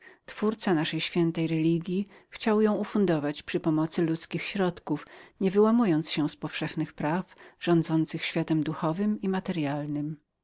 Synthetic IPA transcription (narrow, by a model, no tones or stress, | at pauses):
t̪fuɾt̪sanaʂɛjɕfʲjɛnt̪ɛjɾɛlʲiɡʲjixt͡ɕawjɔ̃w̃ufund̪ɔvat͡ɕpʂɘpɔmɔt̪sɘlut̪skʲixɕɾɔt̪kufɲɛvɘwamujɔnt̪sɕɛspɔfʂɛxnɘxpɾafʐ̥ɔ̃nd̪zɔnt̪sɘxɕfʲjat̪ɛmd̪uxɔvɘmimat̪ɛɾjalnɘm